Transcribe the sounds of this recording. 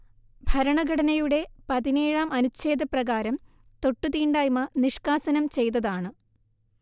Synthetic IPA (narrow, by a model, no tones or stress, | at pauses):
bʱɐɾɐɳɐɡʱɐɽɐnɐjuɽe̞pɐðine̞ːɻaːmɐnut͡ɕːe̞ːd̪ʱɐprɐɣaːɾɐm | t̪o̞ʈːut̪iːɳɖaːjmɐniʂkaːsɐnɐmt͡ɕe̞jt̪̬ɐðaːɳɨ